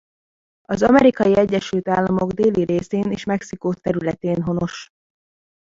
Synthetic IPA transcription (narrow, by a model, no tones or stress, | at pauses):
ɒzɒmɛɾikɒjiɛɟːɛʃylt̪aːlːɒmo̞ɡd̪eːliɾeːseːneːʃmɛksikoːt̪ːɛɾylɛt̪eːnɦo̞no̞ʃ